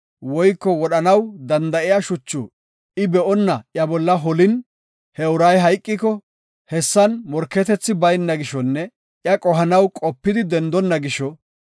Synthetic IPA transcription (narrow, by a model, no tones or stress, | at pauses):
wɔjkːɔwɔɗɐnɐwd̪ɐnd̪ɐʔɪjaʃʊt͡ʃːṵ | ɪbɛʔɔnːɐʔjɐbɔlːɐɦɔlɪn | hɛʊɾɐjɦɐjkʼːɪkɔ | hɛsːɐnmɔɾkːɛt̪ɛt͡sːɪbɐjnːɐɡɪʃɔnːɛ | ʔjɐkʼɔɦɐnɐwkʼɔpːɪd̪ɪd̪ɛnd̪ɔnːɐɡɪʃɔ